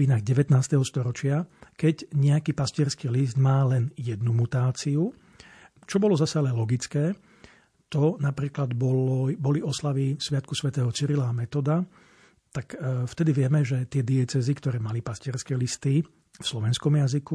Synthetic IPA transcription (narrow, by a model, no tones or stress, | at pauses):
iːnaɣɟɛʋɛt̪naːst̪ɛɦɔst̪ɔɾɔt͡ʃɪakɛɟɲɛakiːpascɪɛɾskiːlizd̪maːlɛnjɛd̪numut̪aːt͡siu | t͡ʃɔbɔlɔzasalɛlɔɡit͡skɛː | t̪ɔnapɾiːklad̪bɔlbɔliɔslaʋisʋɪat̪kusʋɛt̪ɛːɦɔt͡siɾilaːmɛt̪ɔd̪a | t̪akft̪ɛd̪iʋɪɛmɛʒɛt̪ɪɛd̪iɛt͡sɛzikt̪ɔɾɛːmalipascɪɛɾskɛːlist̪i | fslɔʋɛnskɔmjaziku